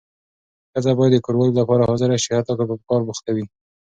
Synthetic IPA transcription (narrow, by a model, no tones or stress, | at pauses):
xəzabɑjad̪d̪əkoɾwɑllapɑɾahɑzɪɾaʃihat̪ɑkapəkɑɾbuxt̪awi